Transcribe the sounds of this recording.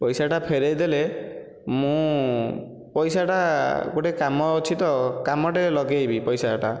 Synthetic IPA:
pɔjsaʈapʰeɾejd̪ele | mũ | pɔjsaʈakoʈekamɔot͡ʃʰit̪ɔkamɔʈelɔɡejbipɔjsaʈa

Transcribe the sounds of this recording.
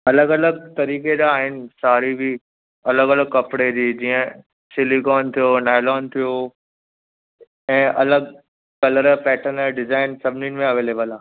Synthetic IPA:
ɐləɡɐləɡt̪ɐɾiːked͡ʑaːɦɪnɪ̆saːɾibʱi | ɐləɡɐləɡ̚kɐpɽed͡ʑiːd͡ʑiːə̃ | sɪlikɔːnt̪ʰijonaːɪlɔːnt̪ʰijo | ɛ̃ːʔɐləɡ | kɐləɾpɛːʈʰənəɖɪzaːɪnsɐbʱɪnɪ̃nmẽɐʋeːleːbəlaː

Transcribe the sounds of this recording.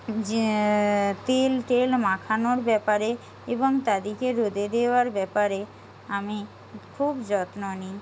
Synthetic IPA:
t̪elʈelmãkʰanoɾbɛpaɾe | eboŋt̪ad̪ikeɾod̪ed̪eaɾbɛpaɾe | ami | kʰubd͡ʑɔt̪noni

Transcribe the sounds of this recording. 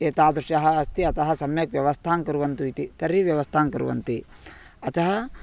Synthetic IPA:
eːt̪aːd̪ɾuʂjɐɦɐ̆ːst̪iɐt̪ɐɦɐ̆sɐmjɐkʋjɐʋɐst̪ʰaːŋkɐɾuʋɐnt̪uit̪it̪ɐɾiʋjɐʋɐst̪ʰaːŋkɐɾṵʋɐ̰nt̪i | ɐt̪ɐɦɐ

